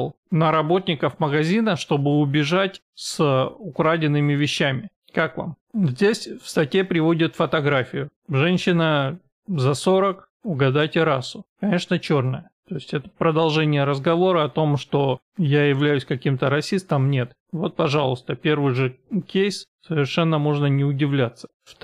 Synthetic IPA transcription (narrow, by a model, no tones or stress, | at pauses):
lˠ | nəɾɐbo̞t̪ʲnʲɪkəfməɡɐzʲinəʂt̪o̞bɨʊbʲɪʐatʲ | sʊkɾadʲɪnːɨmʲɪvʲɪɕːæmʲɪ | kakva̰mzʲdʲesʲfst̪ɐtʲepɾʲɪvo̞dʲɪt̪fət̪ɐɡɾafʲɪjʊʐɛnʲɕɪnə | zɐso̞ɾək | ʊɡɐd̪atʲɪɾasʊkɐnʲe̞ʂnət͡ɕornəjət̪o̞ɪsʲtʲɛt̪ə̥pɾəd̪ɐlˠʐɛnʲɪjəɾəzɡɐvo̞ɾəɐt̪o̞mʂt̪o̞ | jajɪvlʲæjʉsʲkɐkʲimt̪əɾɐsʲist̪əmnʲe̞t̪ | vo̞t̪̚pɐʐalˠʊst̪əpʲe̞rvɨjʐɨkʲejssəvʲɪrʂɛnːəmoʐnənʲɪʊdʲɪvlʲat̪sːə̥ | f